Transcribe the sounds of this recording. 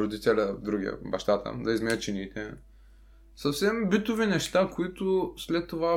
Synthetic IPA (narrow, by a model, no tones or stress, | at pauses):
ɾod̪it̪ɛlʲəvd̪ɾuɡʲiə̰bɐʃt̪at̪ə̰d̪ɐizmɛət̪t͡ʃinit̪ɛ | sɐfsɛmbit̪ʊvinɛʃt̪akoit̪ʊslɛt̪ːova